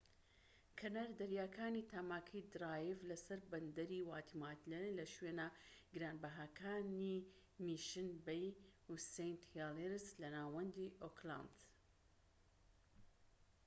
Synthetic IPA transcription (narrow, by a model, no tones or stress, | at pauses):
kʰɐnaɾd̪ɐɾjaːkʰaːniːt̪ʰaːmaːkʰɐjd̪ɾaːjivlɐsɐɾbɐnd̪ɐɾiwaːt̪ʰimat̪lelɐʃwenaɡɨɾaːnbɐɦaːkʰaːni | miʃɨnbejusejnt̪haleɾslɐnaːwɐnd̪iʔokla̰nd̪